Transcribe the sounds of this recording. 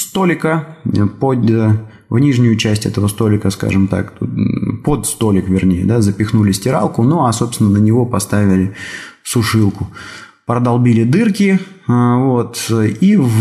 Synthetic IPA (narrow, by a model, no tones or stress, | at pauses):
st̪o̞lʲɪkəpod̪ | vnʲiʐnʲʊjʊt͡ɕæsʲtʲɛ̰t̪əvəst̪o̞lʲɪkəska̰ʐɨmt̪a̰k̪ | po̞t̪st̪o̞lʲɪkvʲɪrnʲejə̰d̪azəpʲɪxnulʲɪsʲtʲɪɾa̰lˠkʊnoasopst̪ʲɪnːənənʲɪvo̞pɐst̪avʲɪlʲɪsʊʂɨlˠkʊpɾəd̪ɐlˠbʲilʲɪd̪ɨrkʲɪ | vo̞t̪iv